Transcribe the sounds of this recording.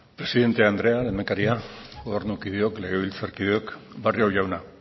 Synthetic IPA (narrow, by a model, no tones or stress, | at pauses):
pɾe̞siðe̞nt̪e̞and̪ɾe̞alenekaɾiaɡo̞βe̞ɾnukiðeo̞kle̞ɣ̞eβilt͡saɾkið̞eo̞kbariawʝawna